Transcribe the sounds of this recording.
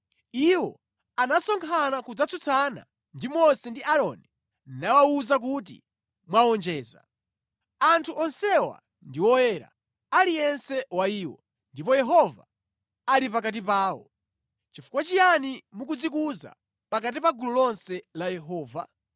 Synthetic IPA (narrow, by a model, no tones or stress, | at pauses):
iwɔ̰ | anasɔŋkʰanakud͡zat͡sut͡sʰana̰ | ndimɔsɛndiʔaɾɔni | nawawuzak̬ut̬ḭ | mwawɔnd͡ʒɛːza̰ | antʰuʔɔnsɛwa̰ | ndiwɔjɛːɾa̰ | alijɛnsɛwaiːwɔ̰ | ndipɔjɛɦɔva̰ | alipakat̬ipaːɔ̰ | t͡ʃifu̥kwat͡ʃijanimuk̬ud͡zikuza̰ | pakat̬ipaɡulɔlɔnsɛlajɛɦɔːva̰